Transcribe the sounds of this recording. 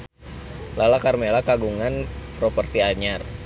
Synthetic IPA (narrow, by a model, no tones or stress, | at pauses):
lalakarmelakaɡuŋanpɾɔpərsiaɲar